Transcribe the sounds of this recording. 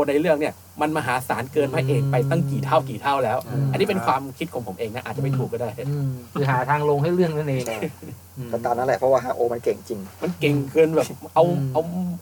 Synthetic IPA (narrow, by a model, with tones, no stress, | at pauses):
o˧˩nːa˧jɾɯ˥˩əŋni˥˩ə | ma˧nmaː˧ɦaː˩˦saː˩˦nkɤː˧nma˧˥˩ʔeː˧˩ŋpa˧jt̪a˥˩ŋkiː˨˩t̪ʰaː˥˩wkiː˨˩t̪ʰa˥˩wlɛː˦˥wʔa˧nːi˦˥pe˧nkwaː˧mkʰi˦˥t̪̚kʰɔ˨˦pʰo˩˦mʔeː˧ŋa˦˥ʔaː˨˩t̪̚t͡ɕa˨˩m˥˩t̪ʰuː˨˩kːɔ˥˩daː˥˩jkʰɯː˧ɦaː˨˩˦t̪ʰaː˧ŋlo˧ŋɦa˥˩jɾɯ˥˩əŋa˥˩na˧˩˧ | pa˧˩t̪aː˨˧˩na˥˩lɛ˨˩pʰɔ˦˥waː˥˩ɦaː˨˩ʔoː˧ma˧nke˨˩ŋt͡ɕi˧ŋma˧nke˨˩ŋkʰɯː˧nbɛː˨˩ʔa˧wa˧w